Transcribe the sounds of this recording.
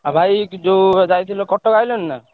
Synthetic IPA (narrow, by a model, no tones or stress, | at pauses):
abʱajkd̪od͡ʒajt̪ʰilokɔʈːokajlonːa